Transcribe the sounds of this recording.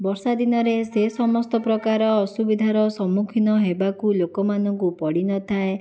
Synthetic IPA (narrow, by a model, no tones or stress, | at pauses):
bɔɾsad̪inɔɾesesɔmɔst̪ɔpɾɔkaɾɔːsubid̪ʱaɾɔsɔmukʰinɔɦebakulokɔmanɔŋkupɔɽinɔt̪ʰae